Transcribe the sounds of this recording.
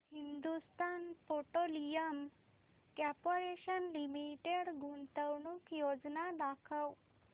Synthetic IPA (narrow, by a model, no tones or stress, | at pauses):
hind̪ust̪anpoʈolijəm | kɛpoɾeɕənlimiʈeɽɡʱunt̪əwɳukjod͡znad̪akʰəw